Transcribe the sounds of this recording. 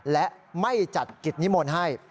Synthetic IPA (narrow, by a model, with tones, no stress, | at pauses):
lɛ˦˥ʔ | ma˥˩jt͡ɕa˨˩t̪̚ki˨˩t̪̚ni˦˥moː˧nɦa˥˩j